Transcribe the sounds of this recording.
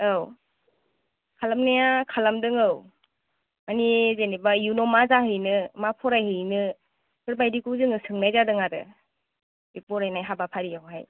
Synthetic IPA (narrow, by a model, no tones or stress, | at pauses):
ɯw | kʰalamnijakʰalamdɯŋɯw | manizenibajunɔmazaɦɯjnɯmapʰɔɾajɦɯjnɯ | kɯɾbajdikuzɯŋɯsɯŋnajzadɯŋadɯ̰ | bipɔɾajnajɦabapʰaɾijawɦaj